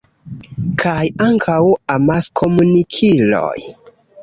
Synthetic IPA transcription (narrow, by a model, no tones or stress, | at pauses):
kʰajaŋkʰawamaskʰomunikʰilo̰j